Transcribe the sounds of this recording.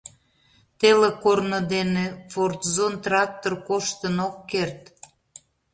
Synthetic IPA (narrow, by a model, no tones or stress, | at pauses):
t̪elekornəd̪enefort̪zont̪rɑk̚t̪orkoʃt̪ənokːert̪